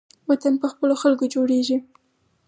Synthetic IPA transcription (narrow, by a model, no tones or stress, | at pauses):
wat̪anpəxpəloxalkod͡ʒoɽeʒi